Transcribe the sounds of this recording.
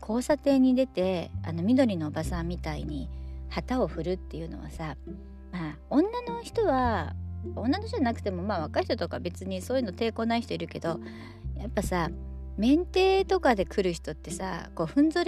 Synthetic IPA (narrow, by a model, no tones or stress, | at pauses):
kʰo̞ːsat̪e̞ːɲ̟id̪e̞t̪e̞a̰no̞mʲid̪o̞ɾʲino̞ːbasãmʲːit̪aḭɲ̟ihat̪ao̞ɸɯ̟ɾɯ̟t̪ːe̞jɯ̟no̞̰βa̰sa | maː | õ̞nːano̞çi̥t̪o̞βa | õ̞nːanoç̥itoanakɯ̟t̪e̞mo̞maːβ̞akaiçi̥t̪ot̪o̞kabe̞t͡sɨɲ̟isoːjiɯnot̪e̞ːko̞ːnaiç̥it̪o̞iɾɯ̟ke̞d̪o̞ | japːasamẽ̞nt̪e̞ːt̪o̞kad̪e̞kʰɯ̟ɾɯ̟çi̥t̪o̞t̪ːe̞sa̰ko̞ːɸɯ̟̃nzoɾʲ